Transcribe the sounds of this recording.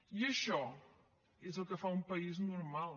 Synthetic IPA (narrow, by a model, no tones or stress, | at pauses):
iəʃɔ | ezəlˠkəfaumpəiznuɾmalˠ